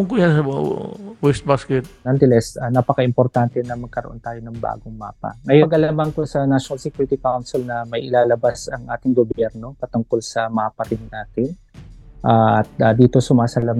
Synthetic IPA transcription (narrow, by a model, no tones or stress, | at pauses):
ʊŋkʊjansɐ | wɛst̪̚baskɛt̪̚nɐnt̪ɛlɛsɐnapɐkɐʔɪmpoɾt̪ant̪ɛnɐmɐɡ̚kɐɾoʔo̞nt̪aːjonɐŋba̰ːɡoŋma̰ːpɐ̰ŋɐjoɡɐlamaŋkosɐnaʃonɐlsɛkjuːɾɪt̪ɪkawnsɪlnɐmɐjʔɪlaːlɐbasɐŋʔaːt̪ɪŋɡobjɛɾno̞pɐt̪ʊŋko̞lsɐmaːpɐɾɪnːaːt̪ɪn | ʔaːɐt̪̚ad̪iːt̪osʊmaːsɐlam